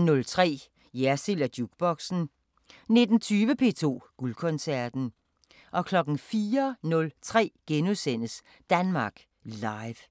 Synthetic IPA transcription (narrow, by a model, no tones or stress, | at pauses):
nɔ̽lt͡sʰʁɛ̰ː | jæɐselæd̥juɡ̥̚b̥ɒ̽ɡ̥sn̩ | ne̝d̥n̩t͡sʰyːʋəpʰe̝̰ːt͡sʰo̝̰ːɡ̥ulkʰɔ̽nsæɐd̥n̩ | ʔɒ̽kʰlɒ̽ɡ̥n̩fiːɐnɔ̽lt͡sʰʁɛ̰ːɡ̥enuðˠsen̰əs | d̥ænmɑ̈ːɡ̥ | lɑ̈ɪʋ